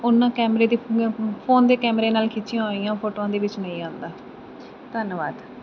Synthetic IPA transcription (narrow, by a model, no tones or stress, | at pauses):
ʊnãːkɛːmɾeːd̪iːpʰoːnd̪eːkɛːmɾeːnaːlkʰit͡ʃɪjãːɦoːijãːpʰoːʈoːãːd̪eːʋɪt͡ʃnə̃ĩːãːnd̪aː | t̪ənʋaːd̪